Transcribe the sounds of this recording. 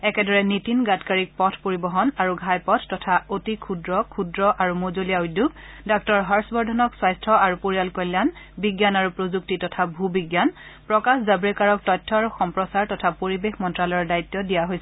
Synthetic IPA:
ɛkɛdɔɹɛnitinɡatkaɹik̚pɔtʰpoɹibɔɦɔnaɹuɡʱajpɔtʰːɔtʰaotikʰudɹɔkʰudɹɔʔaɹumozolijaujdːuɡ | dɔk̚tɔɹɦaɹsbɔɹdʱɔnɔkswajstʰɔaɹupoɹijalkɔljan | biɡjanaɹupɹozuk̚titɔtʰabʱubiɡjan | pɹɔkaszabɹɛkaɹɔk̚tɔjtʰːɔaɹuxɔmpɹɔsaɹtɔtʰapoɹibexmɔntɹalɔɔɹdajtːɔdijaɦojsɛ

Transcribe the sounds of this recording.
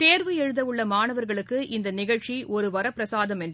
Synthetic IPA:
t̪eːɾʋɯɛɻɯðɐɯɭːɐmaːnɐʋɐɾɣɐɭɯkːɯʔɪnd̪ɐnɪɣɐɻt͡ʃiʔɔɾɯʋɐɾɐpːɾɐsaːðɐmɛndr

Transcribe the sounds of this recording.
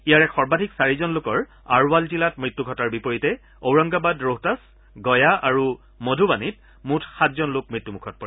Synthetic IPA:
ijaɹɛkxɔɹbadʱiksaɹizɔnlʊkɔɹ | a̰ɹwalzilatmɹitːuɡʱɔtaɹbipoɹitɛ | owɹɔŋɡabadɹoɦtas | ɡɔjaaɹu | modʱubanit̚ | mutʰxatʰzɔnlʊk̚mɹitːumukʰɔt̚pɔɹɛ

